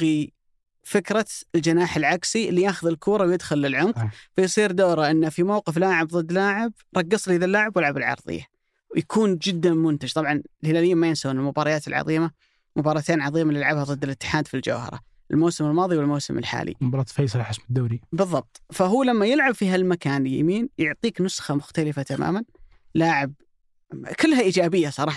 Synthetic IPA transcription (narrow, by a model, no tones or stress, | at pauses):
qi | fɪkɾˤɑɪld͡ʒanaːħɪlʕaksiʔɪlːijaːxʊðɪlkʰuːɾˤɑwjɪd̪xʊlːɪlʕʊmfajsˤiːɾd̪oːɾˤaʔɪnːafimawqɪflaːʕɪbðˤɨd̪ːlaːʕɪb̚ | ɾˤɑɡːɑsˤliðalːaːʕɪbwjɪlʕabɪlʕɑ̰ɾˤðˤɪ̰jːa̰ | wjakʰuːnd͡ʒɪd̪ːamʊnt̪ad͡ʒt̪ˤɑbʕɑnɪlhɪlaːlɪjːamajɪnsawnɪlmʊbɑːɾˤɑjaːt̪ɪlʕɑ̰ðˤiːma | mʊbɑːɾˤɑːt̪eːnʕɑðˤiːmaliɪlʕabhaðˤɨd̪ːɪlɪt̪ːɪ̥ħaːd̪fild͡ʒa̰whɑ̰ɾˤɑ̰ | ʔɪlmowsɪmɪlmɑːðˤiwɪlmowsɪmɪ̰lħa̰ːlḭmbɑɾɑt̪fejːsˤlħɪsmɪd̪ːaːɾibɨðˤːɑb̚t̪ˤfaɦuːlamːajɪlʕabfiːɦalmakaːnja̰miːnjʊʕt̪ˤiːknʊsxɑmʊxt̪alɪfat̪ama̰ːman | laːʕɪb̚ | kɪlːɦaʔid͡ʒaːbɪjːasˤɑɾˤɑːħɑ